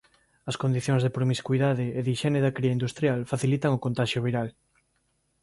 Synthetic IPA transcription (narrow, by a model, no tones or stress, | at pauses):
ɐskond̪iθjoŋzðepɾomiskuiðaðɪeðiʃɛneðɐkɾiaind̪ust̪ɾjalfaθilit̪ɐŋokõnt̪aʃjoβiɾal